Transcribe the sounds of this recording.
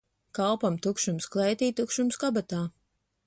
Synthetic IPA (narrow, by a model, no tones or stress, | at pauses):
kalpamt̪ukʃumsklˠɛjt̪iːt̪ukʃumskabat̪aː